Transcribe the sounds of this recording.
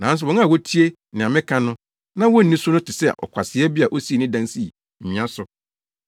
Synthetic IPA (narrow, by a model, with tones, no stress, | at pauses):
nã˨˦n̩˦s̬ʊ˨wɔ̃˨˦n˦a˨wɔ˦tʰi˦e˦ | nɪ̃˨a˨mɪ̃˦kʰã˦nʊ̃˦ | nã˦wɔ˦n̩˨nĩ˦sʊ˦nʊ̃˦tʰɪ˨sɛ˦˨ʔɔ̰˨kʷʰa˨sɪ˨˦ɛ˦bi˦a˨ʔo˦si˦e˨nɪ̃˦dã˦n˦si˦˨ | m̩˨ĩ˨a˦sʊ˨